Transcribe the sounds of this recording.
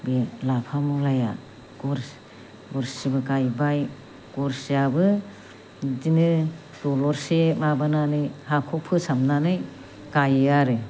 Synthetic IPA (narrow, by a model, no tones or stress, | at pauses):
belapʰamulaja̰ | ɡɔɾs | ɡɔɾsibɯkajbaj | ɡ̥ɔɾsjabɯ | dinɯ | dɔlɔɾsemabɯnanɯjhapʰɔpʰɯsamnanɯj | kajaɾɯ